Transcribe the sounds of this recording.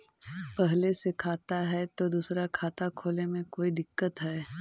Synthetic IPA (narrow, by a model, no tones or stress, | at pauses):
pɛɦlesekʰaːt̪aɦɛt̪od̪uːsɾakʰaːt̪akʰoːlemẽkoːid̪ɪkːət̪ɦɛː